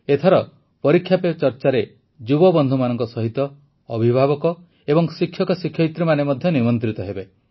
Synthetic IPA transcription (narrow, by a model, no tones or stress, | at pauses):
et̪ʰɔɾɔ | pɔɾikʰːjapet͡ʃɔɾt͡ʃaɾe | d͡ʒubɔbɔnd̪ʱumanɔŋkɔsɔɦit̪ɔː | bʱibʱabɔkɔ | ebɔŋsikʰːjɔkɔsikʰjɔit̪ɾimanemɔd̪ʱjɔnimɔnt̪ɾit̪ɔɦebe